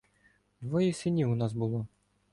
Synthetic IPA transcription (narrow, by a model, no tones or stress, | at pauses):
d̪ʋɔjisɪnʲiʊnɑsbʊlˠɔ